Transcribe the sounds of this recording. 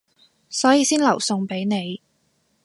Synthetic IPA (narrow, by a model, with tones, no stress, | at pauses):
sɔː˨˥jiː˧siː˥nlɐ˨˩wsʊ˧ŋpe˨˥jne˨˧j